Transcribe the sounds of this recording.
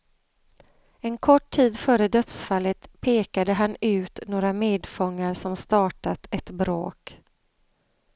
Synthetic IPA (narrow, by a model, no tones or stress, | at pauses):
ɛnkʰɔʈʰːiːd̪fœːɾəd̪œt̪sfalːət̪pʰeːkad̪əɦanʉ̟ːt̪noːɾameːd̪fɔŋːaɾʂɔmst̪ɑːʈat̪ʰɛt̪bɾo̰ːk